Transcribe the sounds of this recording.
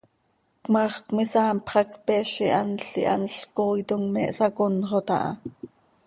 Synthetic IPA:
kmɑːχkmisɑːmpχɑkpɛːʃiʔɑnɬḭʔɑ̰nɬkoːjt̪oŋmɛʔsɑkonʁot̪ɑ̰ʔɑ̰

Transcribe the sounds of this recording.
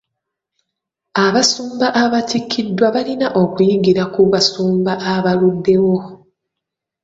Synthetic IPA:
aβasuːmbaʔaβatikːidːwaβalinaʔo̞kujiɡiɾakuβasuːmbaʔaβaludːe̞wo̞

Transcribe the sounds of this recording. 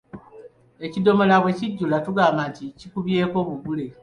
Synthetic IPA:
e̞cido̞mo̞laβwe̞ciɟːulatuɡaːmbanticikuβje̞ːko̞βuɡule̞

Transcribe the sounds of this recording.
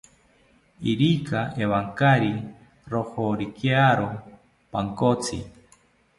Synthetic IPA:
iɾikaʔeβaŋkaɾi | ɾohoɾikjaɾo | paŋkot͡sʰi

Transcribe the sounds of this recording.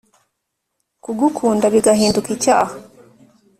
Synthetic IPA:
kuɡukʰuːndaβiɡaɦiːndukica̰ːha

